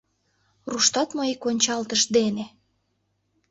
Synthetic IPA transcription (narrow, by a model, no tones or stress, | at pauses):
ruʃt̪ɑt̪moikonʲt͡ɕɑlt̪əʃd̪ene